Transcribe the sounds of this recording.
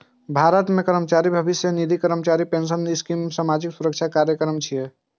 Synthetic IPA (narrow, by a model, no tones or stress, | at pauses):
bʱaɾət̪mekəɾəmət͡ʃaɾibʱəbisjənid̪ʱikəɾəmət͡ʃaɾipensənskimsamad͡ʒiksuɾəkt͡ʃʰakaɾjəkəɾəmt͡ʃʰije